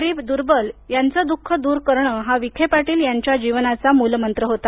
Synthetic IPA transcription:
ɾiːbd̪uɾbəljant͡səːd̪ukʰːəd̪uːɾkəɾɳəɦaʋikʰepaʈiːljaɲt͡ɕjad͡ʑiʋnat͡samulmənt̪ɾəɦot̪a

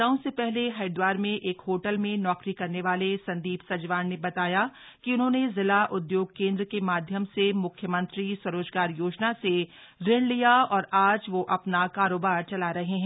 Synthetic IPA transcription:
aːõsepɛɦleɦɐɪd̪waːɾmẽʔeːkhoːʈəlmẽnɔːkɾikɐɾneʋaːlesɐ̃nd̪iːbsɐd͡ʒʋaːnnebɐt̪aːja | kiʊnɦõːnezɪlaʔʊd̪joːɡ̚kẽːnd̪ɾəkemaːd̪ʱjəmsemʊkʰjəmɐ̃nt̪ɾiswɐɾoːd͡ʒɡaːɾjoːd͡ʒnase | ɾɪɽ̃lijaɔːɾaːd͡ʒʋoʔɐpnakaːɾoːbaːɾt͡ʃɐlaɾɐɦeɦɛ̃ː

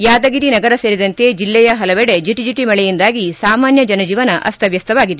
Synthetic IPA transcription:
jaːd̪ɐɡiɾinɐɡɐɾɐseːɾid̪ɐnt̪e̞d͡ʒilːɛjɐɦɐlɐʋɛɽe̞d͡ʒiʈːid͡ʒiʈːimɐɭɛjind̪aːɡisaːmaːnjɐd͡ʒɐnɐd͡ʒiːʋɐnɐʔɐ̰st̪ʰɐʋjɐst̪ʰɐʋaːɡid̪e

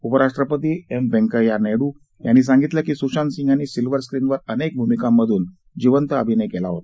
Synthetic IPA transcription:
upəɾaʂʈɾəpət̪̬iːembɛ̃ŋkəjaneɽu | janːis̬ãŋɡit̪ləkiːsuʂɕansiŋɡʱanːiːsilʋəɾskɾinʋəɾənek̚bʱumikamːəd̪ʱuːn | d͡ʑiʋənt̪əəbʱinəjkelaɦot̪a

